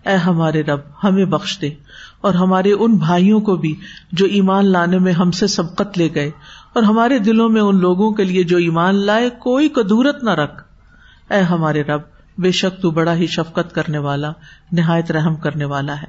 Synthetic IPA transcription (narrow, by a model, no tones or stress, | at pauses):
ɛːɦɐmaːɾeɾɐb̚hɐmẽbɐxʃd̪eːɔːɾɦɐmaːɾeʔʊnbʱaːijõkobʱid͡ʒoːʔiːmaːnlaːnemẽɦɐmsesɐbqət̪leːɡɐeɔːɾɦɐmaːɾed̪ɪlõmẽʊnloːɡõkelied͡ʒoːiːmaːnlaːekoːikɐd̪uːɾət̪nɐɾɐkʰ | ɛːɦɐmaːɾeɾɐb̚ | beːʃək̚t̪ubɐɽaɦiʃɐfqət̪kɐɾneʋaːlanɪɦaːjət̪ɾɛɦmkɐɾneʋaːlaɦɛː